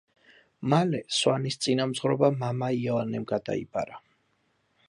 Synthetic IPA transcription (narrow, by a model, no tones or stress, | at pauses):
malɛswanist̪sʼinamzʁɾɔbamamaiɛlˠanɛmɡad̪a̰ḭbʼa̰ɾa